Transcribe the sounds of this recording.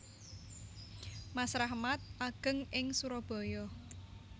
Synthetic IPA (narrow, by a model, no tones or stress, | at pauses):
masɾaɦmat̪̚aɡ̥ə̤ŋɪŋsuɾɔb̥ɔ̤jɔ